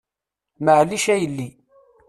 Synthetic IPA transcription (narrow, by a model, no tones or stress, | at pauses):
məʕliʃæjəlːi